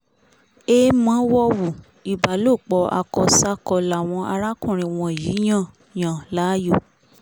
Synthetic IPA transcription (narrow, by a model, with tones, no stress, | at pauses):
e˦mã˨˦wɔ˦wu˨ | i˨ba˨lo˦˨k͡pɔ˧a̰˧kɔ˧sa˦kɔ˧la˨w̃ɔ̃˧a˧ɾa˦kũ˦˨ɾ̃ĩ˨˧˨w̃ɔ̃˧˨ji˨˦j̃ã˦˨ | jã˨la˨˦jo˦˨